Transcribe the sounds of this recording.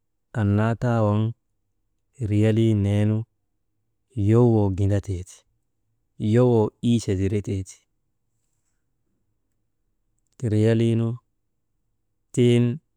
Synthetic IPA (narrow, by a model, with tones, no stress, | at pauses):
ʔɐ˨nːa˦t̪aː˦wɐ˦ŋ | ɾɪ˨jɐ˦liː˦neː˦nʊ˦ | jo˦wo˨ɡɪ˨ndɐ˦t̪eː˨t̪i̥ | jo˦wo˨iː˦se˨di˨ɾɛ˦t̪eː˨t̪i̥ | ɾɪ˨ja˦liː˦nʊ˦ | t̪eː˦n